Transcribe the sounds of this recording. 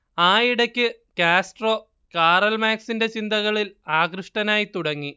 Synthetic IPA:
aːiɽɐkʲːɨ | kaːsʈro̞ː | kaːrɐlmaːksinde̞t͡ɕind̪ɐɣɐɭilaːkrɨʂʈɐnaːjit̪uɽɐŋːi

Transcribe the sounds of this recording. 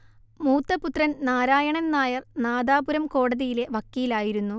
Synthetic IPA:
muːt̪ːɐput̪rɐnnaːɾaːjɐɳɐnnaːjɐrnaːd̪aːbuɾɐmko̞ːɽɐðijile̞ʋɐkːijilaːjiɾunːu

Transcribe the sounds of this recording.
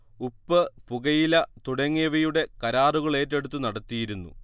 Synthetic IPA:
upːɨpuɣɐjilɐt̪uɽɐŋːiʋɐjuɽe̞kɐɾaːruɣɐɭe̞ːtːe̞ɽut̪̬ːunɐɽɐt̪ːijiɾunːṵ

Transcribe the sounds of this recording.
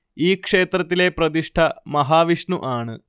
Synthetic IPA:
iːkʂeːt̪ɾɐt̪ːileːpɾɐt̪̬iʂʈʰɐmɐɦaːʋiʂɳuʔaːɳɨ

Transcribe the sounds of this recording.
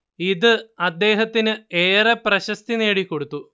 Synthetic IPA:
iðɨɐd̪ːe̞ːɦɐt̪ːinɨe̞ːrɐprɐɕɐst̪ine̞ːɽikːo̞ɽut̪ːu

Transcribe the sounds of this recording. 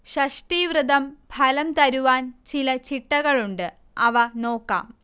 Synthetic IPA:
ɕɐʂʈiːʋrɨd̪ɐmbʱʰɐlɐmt̪ɐɾuʋaːnt͡ɕilɐt͡ɕiʈːɐɣɐɭuɳɖɨ | ɐʋɐno̞ːkːa̰ːm

